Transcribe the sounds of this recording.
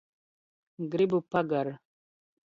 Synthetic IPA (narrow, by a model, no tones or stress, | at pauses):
ɡɾibupɐɡaɾ